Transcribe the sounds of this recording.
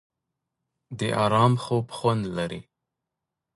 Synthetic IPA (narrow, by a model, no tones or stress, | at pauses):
d̪əʔɑɾɑmxobxwand̪laɾḭ